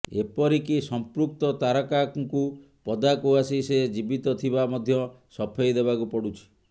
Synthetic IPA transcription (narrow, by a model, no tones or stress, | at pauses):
ḛpɔɾikisɔmpɾuk̚t̪ɔt̪aɾɔkaŋku | pɔd̪akuasised͡ʒibit̪ɔt̪ʰibamɔd̪ʱjɔ | sɔpʰejd̪ebakupɔɽut͡ʃʰi̥